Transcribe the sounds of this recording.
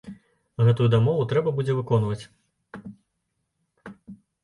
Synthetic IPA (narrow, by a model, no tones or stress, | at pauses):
ɣɛt̪ujud̪amɔvut̪ɾɛbɐbud͡zʲɛvɨkɔnvɐt͡sʲ